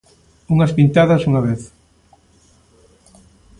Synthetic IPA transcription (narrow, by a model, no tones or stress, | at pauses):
uŋɐspint̪aðɐsuŋɐβeθ